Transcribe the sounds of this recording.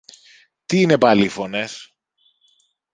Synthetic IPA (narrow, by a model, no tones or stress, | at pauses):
t̪iine̞pɐlifones